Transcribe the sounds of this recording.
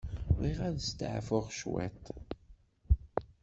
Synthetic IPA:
ʁiʁæðst̪ə̰ʕfʊʁʃwæ̰t̪

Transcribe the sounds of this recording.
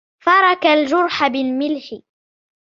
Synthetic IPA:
fɑɾˤɑkald͡ʒʊɾˤħabɪlmɪlħɪ

